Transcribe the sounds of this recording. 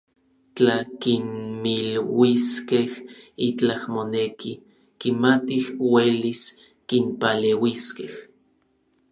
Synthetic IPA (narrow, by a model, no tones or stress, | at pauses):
t͡ɬakinmilwiskehit͡ɬahmonekʰi | kimat̪ihwelis | kimpalewiskeh